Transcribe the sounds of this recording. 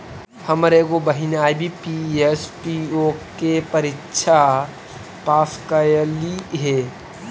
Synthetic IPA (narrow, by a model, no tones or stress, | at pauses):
hɐmɾeɡobəɦɪnaːjbʱipiespiokepəɾɪtːʃʰa | paːskajliɦeː